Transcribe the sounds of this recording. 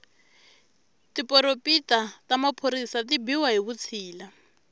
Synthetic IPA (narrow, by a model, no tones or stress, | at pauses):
tipɔɾopitatamapʰoɾisatibiwaɦiβut͡sʰiːla